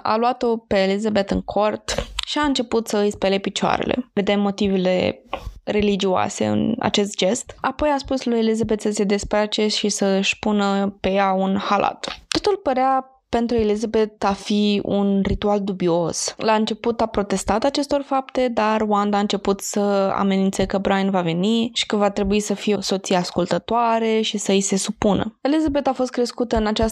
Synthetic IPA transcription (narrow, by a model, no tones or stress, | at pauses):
a̰luat̪o̞peːlizabet̪ɨŋkʰo̞rt̪ʃiaɨnt͡ʃe̞put̪səɨjspelepit͡ʃa̰ɾḛlʔḛve̞d̪e̞mːo̞t̪ive̞le̞̰re̞lid͡ʒia̰se̞̰ɨ̰na̰t͡ʃe̞st̪̚d͡ʒe̞st̪apo̞jaspuslujelizabe̞t̪səse̞d̪e̞spɾat͡ʃe̞ʃisəɨʃʲpunəpe̞jaunhalʔa̰t̪t̪o̞t̪ulpəɾea | pe̞nt̪ɾue̞lizabe̞t̪afiṵnrit̪uald̪ubio̞slaɨnt͡ʃe̞put̪apɾo̞t̪e̞st̪at̪at͡ʃe̞st̪o̞rfapt̪e̞d̪arwand̪aɨnt͡ʃe̞put̪səa̰me̞nint̪sekəbɾainvave̞niʃi̥kəvat̪ɾe̞buisəfijeso̞t̪sijeaskult̪ət̪oaɾe̞ʃisəjse̞supunə̰e̞lizabe̞t̪afo̞st̪kɾe̞skut̪əɨnat͡ʃas